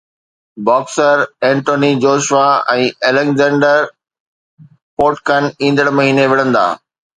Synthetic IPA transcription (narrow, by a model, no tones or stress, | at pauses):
bɔːksəɾɛ̃ːɳʈoːnid͡ʑoːʃʋaɛ̃ːeːlekzɛ̃ːɳɖəɾ | poːʈkənĩːn̆d̪əɽmɐɦiːneʋɪɽə̃nd̪a̰ː